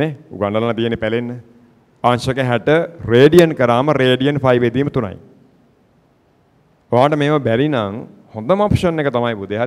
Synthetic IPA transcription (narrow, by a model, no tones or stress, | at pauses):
eːṵɡaɳɖəlanat̪ijenːepælenːə | aːnʃəkeɦɛʈəreːɖiənkəɾaːməɾeːɖijənfajʋed̪iːmət̪una̰j | oʋaːʈəmeːməbæɾinaŋ | hond̪əmapʃənːekət̪amajpud̪eɦaɾ